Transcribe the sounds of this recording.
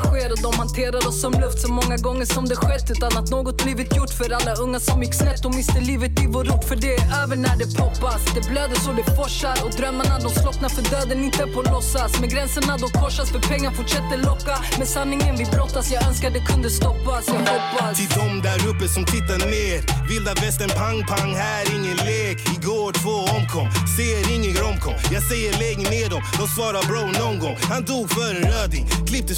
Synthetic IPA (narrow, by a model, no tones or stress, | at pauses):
ɧeːɾɔd̪ɔmhant̪ʰeːɾad̪ɔsːɔmlɵft̪sɔmɔŋːaɡɔŋːəʂɔmd̪ɛɧɛt̪ːʉ̟ːt̪anat̪noːɡɔt̪̚bliːvɪt̪jʊʈːfœɾalːaɵŋːasɔmjɪkːsnɛt̪ːɔvɪst̪əliːvət̪ɪvɔɾupfœɖɛøːvəɳæɖɛpʰɔpːasd̪ɛbløːd̪əsɔdɛfɔʂaɾɔkd̪ɾœmːaɳad̪ɔmslɔknafœɖøːd̪ənɪnt̪əpʰɔlɔsːasmɛɡɾɛnsəɳad̪ɔmkʰɔʂːasfœɾpʰɛŋːaɾfʊʈʂɛt̪ːəlɔkːamɛsanːɪŋənvɪbɾɔt̪ːasjɑːɡœnskat̪d̪ɛkʰɵnd̪əst̪ɔpːasjaːɡhɔpːat̪ʰɪd̪ɔmd̪æɾɵpːəsɔmt̪ʰɪt̪ːad̪əneːɾvɪld̪avɛst̪əɳpʰaŋpʰaŋːhæːɾɪŋːənleːɡɪɡoːʈʰvoːɔmkʰɔŋsɛjəɾɪŋːəɡɾɔmkʰɔŋjɑːɡsɛjːəleːɡneːɖ̪ɔmd̪ɔsvɑːɾabɾonɔŋɡɔŋhand̪uːɡfœːɾəɾøːd̪ɪkʰlɪp̚t̪ə